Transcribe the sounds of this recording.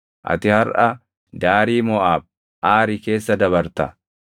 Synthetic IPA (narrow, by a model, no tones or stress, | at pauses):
ʔɐ̰t̪ɪhɐɾʔɐ | d̪aːɾiːmɔʔaːb̚ | ʔaːɾɪke̞ːsːɐd̪ɐβɐɾt̪ɐ